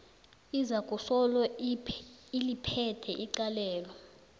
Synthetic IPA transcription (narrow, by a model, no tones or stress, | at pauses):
izakʼusɔlɔ | ilipʰɛtʰɛʔiǀalɛːlɔ